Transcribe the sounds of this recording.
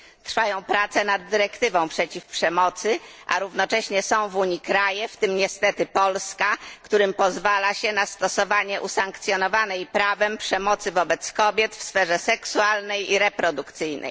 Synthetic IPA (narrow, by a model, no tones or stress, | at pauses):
t̪ɾfajɔ̃w̃pɾat̪sɛnad̪ːɘɾɛkt̪ɘvɔ̃w̃pʂɛt͡ɕifpʂɛmɔt̪sɘʔa̰ɾuvnɔt͡ʂɛɕɲɛsɔ̃w̃vuɲikɾajɛft̪ɘmɲɛst̪ɛt̪ɘpɔlskakt̪uɾɘmpɔzvalaɕɛnast̪ɔsɔvaɲɛʔusaŋkt̪sʲjɔnɔvanɛjpɾavɛmpʂɛmɔt̪sɘvɔbɛt̪skɔbʲjɛt̪fsfɛʐɛsɛksualnɛjiɾɛpɾɔd̪ukt̪sɘjnɛ̰j